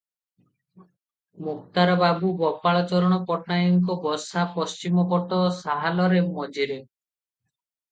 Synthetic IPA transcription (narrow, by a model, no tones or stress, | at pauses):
muk̚t̪aɾɔbabubɔpaɭɔt͡ʃɔɾɔɽ̃ɔpɔʈnajɔŋk̬ɔbɔsapɔst͡ʃimɔbɔʈɔsaɦalɔɾemɔd͡ʒiɾe